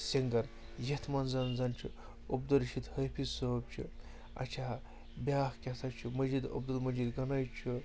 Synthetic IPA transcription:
sɐŋɡɐn | jet̪ʰmɐnzɐnzɐnt͡ʃʰu | obd̪ɐlʃit̪hɐjpʰisoːb̚t͡ʃʰu | ɐ̰t͡ʃʰaː | bʲjaːxkʲɐt̪ʰɐt͡ʃʰumɐd͡ʒid̪ɐ̰b̚d̪ɐlmɐd͡ʒid̪ɡɐnɐjt͡ʃʰu

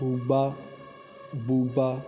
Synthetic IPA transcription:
uɡ͡ba | buba

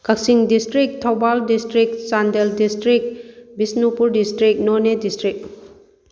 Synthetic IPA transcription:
kɐk̚siŋdistɾik̚tʰawbaldistɾik̚sandeldistɾik̚bisnupuɾdistɾik̚nonedistɾik̚

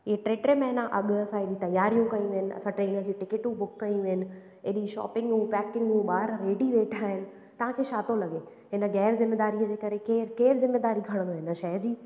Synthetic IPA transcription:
ɪɦeʈɾeːʈɾemẽɦɪnəʔɐɠɐsãɪɗĩt̪ɐjːaːɾijũkɐĩʋɪənɪ̆ɐ̰sãʈɾeːnəɾd͡ʑiʈɪkɪʈũbʊkːɐĩʋɪənɪ̆ | eɗĩʃɔ̰ːpɪ̃ŋɡũːpɛːkɪ̃ŋɡũːɓaːɾɾeːɖiʋeːʈʰaːɦɪnɪ̆ | t̪ɐʋ̤ãkʰeːʃaːt̪õlɐɠe | ɦɪnəɡɛːɾzɪmːeːd̪aːɾiəd͡ʑeːkɐɾekeːɾkeːɾzɪmːeːd̪aːɾiɡʱɐɽ̃nd̪aːɦɪnəʃɐjd͡ʑiː

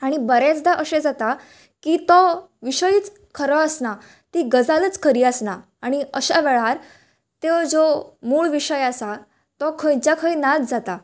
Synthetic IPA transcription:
aɽ̃ibəɾɛt͡sd̪aʔəɕẽd͡zat̪a | kiːt̪ɔ | ʋiɕəjiːt͡s | kʰəɾɔəsna | t̪iɡəd͡zalət͡skʰəɾiːəsna | aɽ̃iəɕaʋɛɭaɾ | t̪ed͡zomuːɭʋiɕəjasa | t̪ɔkʰəjt͡ɕjakʰəjnad͡zd͡zat̪a

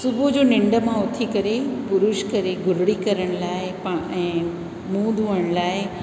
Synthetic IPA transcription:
sʊbʱud͡ʑoːnɪ̃ɳɖə̆mãʊt̪ʰikɐɾepʊɾʊʃkɐɾeɡʱʊɾɽikɐɾəɽ̃laːɪpɛ̃ː | mũːd̪ʱuːəɽ̃laːɪ

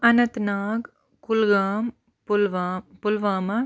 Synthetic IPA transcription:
ɐnɐt̪naːɡ | kulɡaːm | plʋpulʋaːmɐ

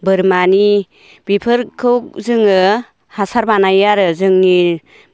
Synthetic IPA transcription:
bɯɾmani | bipʰɯɾkʰɯwk̚zɯŋɯ | hasaɾbanajaɾɯzɯŋni

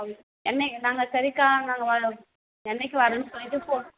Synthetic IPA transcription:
ɛnːɐnaːŋɡɐsɐɾɪkːaːnaːŋɡɐʋɐ | ɛnːɛk̬ʲːɯʋɐɾɐnːɯsɔlːɪt̪ːɯpoː

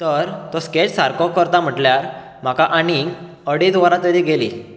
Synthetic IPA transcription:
t̪əɾt̪ɔsket͡ssaɾkɔkəɾt̪am̤əʈljaɾ | m̤akaʔaniɡ | əɽit̪ʋaɾat̪əɾiːɡelḭː

